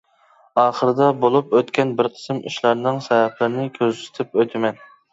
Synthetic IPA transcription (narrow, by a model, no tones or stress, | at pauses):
ɑːχəɾɨd̪ɑbolˠupøt̪kʲɛnbɪɾqʰə̥sɨmy̰ʃlˠɑɾnɨŋsɛvɛpʰlɪɾɪnɪkʲʰøzsɪ̥t̪ʰɪp̚øt̪ʰɪmɛn